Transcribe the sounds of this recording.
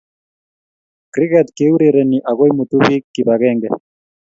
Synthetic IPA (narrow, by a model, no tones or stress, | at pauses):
kɾiɣɛt̪keuɾeɾɛniʔaɣojmut̪uβikkːiβaɣɛŋɡɛ̰